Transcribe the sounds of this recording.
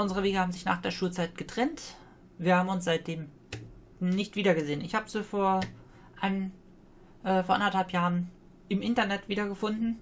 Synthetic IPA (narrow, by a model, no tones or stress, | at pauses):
ʔʊnzəʁəveːɡəhaːbm̩zɪçna̰ːχd̥eːɐʃuːlt͡saɪt̚ɡ̥ətʁ̥ɛnt | viːɐhaːbm̩ʊnsz̥aɪt̚d̥eːm | nɪçtv̥iːdɐɡəzeːənɪçhaːbəz̥ifoːɐ | ʔan | ʔɛːfoːɐʔa̰ndɐthalpjaːʁən | ʔɪmʔɪntɐnɛtv̥iːdɐɡəfʊndn̩